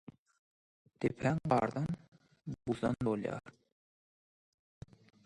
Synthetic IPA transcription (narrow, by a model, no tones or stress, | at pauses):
t̪epʰæŋɢɑ̰ːɾd̪ɑn | buzɑ̰nd̪oljɑ̰ːɾ